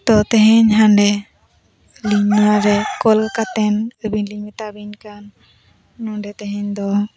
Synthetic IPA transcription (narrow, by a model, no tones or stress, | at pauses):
t̪ɔt̪əɦɛɲɦanɖɛ | liɲnuwaɾɛkɔlkat̪ɛnəbiɲliɲmit̪abiɲkanː | uɳɖɛt̪əɦɛ̃ɲd̪ɔ